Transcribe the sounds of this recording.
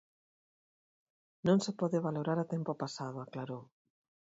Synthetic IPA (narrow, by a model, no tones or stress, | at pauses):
nõŋsepɔðeβaloɾaɾat̪empopasaðʊaklaɾow